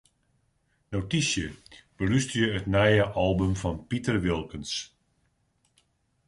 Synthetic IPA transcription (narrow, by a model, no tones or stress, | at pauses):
nowtisjəb̥ərystəjəətnɛjəʔɔlˠbəmfɔnpitərʋɪlˠkəns